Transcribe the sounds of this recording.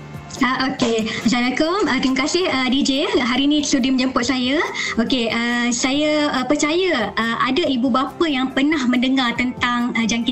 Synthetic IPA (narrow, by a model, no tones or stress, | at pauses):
aʔokeəsanakomət̪iməkasɪhədid͡ʒeɦaɾinĩt̪əsudimə̃ɲd͡ʒəmpʊt̪̚sajaokeʔəsajaəpərt͡ʃajəəʔadaibubapəjaŋpərnahmə̃ndəŋart̪ənt̪aŋəd͡ʒaŋki